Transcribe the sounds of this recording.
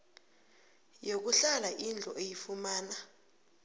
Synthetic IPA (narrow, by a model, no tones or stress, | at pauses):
jok̬uɬalaʔind͡ɮʱɔʔejifumaːna